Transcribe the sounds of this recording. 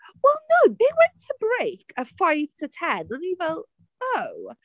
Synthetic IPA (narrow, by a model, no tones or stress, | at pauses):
wɛlˠnoʊbeɪwɛ̃ntʰəbɹeɪkʰɨfaɪv̥sɨtʰæd̚lənivəl | oʊ